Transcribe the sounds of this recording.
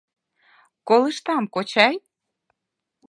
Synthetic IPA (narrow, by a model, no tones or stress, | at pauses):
koləʃt̪ɑmkot͡ɕɑj